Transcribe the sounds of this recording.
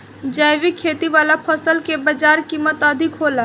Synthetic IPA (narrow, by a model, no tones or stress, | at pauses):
d͡ʒəjʋikʰːet̪iʋalapʰəsəlkebəd͡ʒaɾkimət̪əd̪ʱikɦola